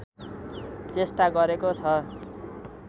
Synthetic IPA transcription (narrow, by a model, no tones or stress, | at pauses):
t͡sesʈaɡʌɾekot͡sʰʌ